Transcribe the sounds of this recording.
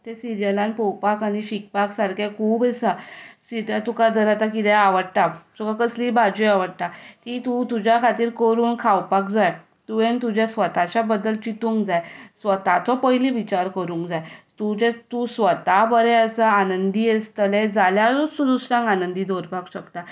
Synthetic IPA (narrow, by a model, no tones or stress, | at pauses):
t̪esiɾijəlãnpɔwpakañiɕik̚paksaɾkʰekʰuːbesasiʈ̪at̪ukad̪əɾat̪akit̪ɛ̃aʋəɽt̪at̪ukakəslibad͡ʑuaʋəɽt̪akit̪ũt̪ud͡ʑjakʰat̪iːɾkəɾuːnkʰawpakd͡zaj | t̪uʋẽnt̪ud͡ʑasʋət̪at͡ɕjabəd̪əlt͡ɕit̪ũŋkd͡zajsʋət̪at̪ʰɔpəjliʋit͡ɕaɾkəɾũŋkd͡zajt̪ut͡ɕẽt̪usʋət̪abəɾɛəsəanənd̪iest̪əled͡zaljaɔsud̪usɾãŋɡanənd̪id̪ʱoɾpakɕəkt̪a